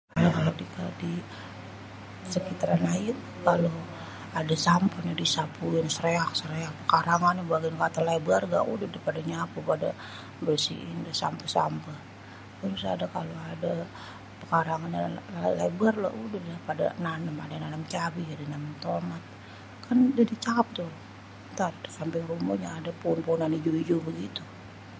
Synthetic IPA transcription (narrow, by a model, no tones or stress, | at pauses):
lakalodikadi | səkit̪aɾanajəŋ | kalo | adasampənadisapuɪnsəɾeak̚səɾeak̚pəkaɾaŋanabaɡiankat̪alabarɡa̰ʔṵdɪt̚dapadaɲapupada̰ | bərsḭʔindasa̰mpəsa̰mpə | kanusa̰dakaloada | pəkaɾaŋanalabarla̰ʔudəhdapada̰nanəma̰dananəmt͡ʃabid͡ʒadinamant̪omat̪̚ | kand͡ʒadit͡ʃaap̚t̪ʊ | t̪asampɛrumuɲaːdapoːnpounanid͡ʒuid͡ʒubəɡit̪u